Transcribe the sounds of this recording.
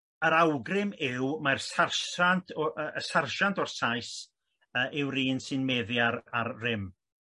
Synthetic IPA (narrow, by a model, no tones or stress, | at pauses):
əɾawɡrɪmɪwmarsarʃantʰɔʔəəsarʃantʰɔrsajs | əʔɪwɾiːnsɪnmɛðjaɾarrɪm